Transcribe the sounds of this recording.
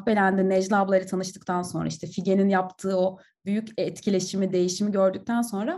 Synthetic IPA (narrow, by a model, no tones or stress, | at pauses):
pelʲænd̪ɛnɛd͡ʒlˠablˠaɾɯt̪ʰanɯʃt̪ʰɯk̚t̪ʰanso̞̰nɾaiʃt̪ʰɛfiɟe̞ninjapt̪ʰɯːo̞ | byjycɛt̪cʰilʲe̞ʃimid̪e̞jiʃimiɟø̞ɾd̪yc̚t̪ʰænso̞nɾa